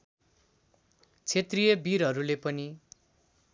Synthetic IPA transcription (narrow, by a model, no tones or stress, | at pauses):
t͡sʰet̪rijʌbiɾɦʌɾulepʌni